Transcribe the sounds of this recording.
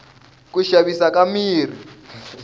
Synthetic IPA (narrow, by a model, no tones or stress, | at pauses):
kuʃaβisakamiːr̤i